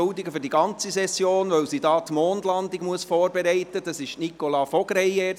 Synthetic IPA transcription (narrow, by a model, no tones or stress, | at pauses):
ʊdiɡəfʏɾdiɡɑnt͡sisɛsjoːnʋœwsiːdɑːt̪moːndlɑndiɡmuəsfɔːɾbɛɾɛɪtəd̥ɑsɪʃnikolɑfɔɡ̥ɾɛɪɛ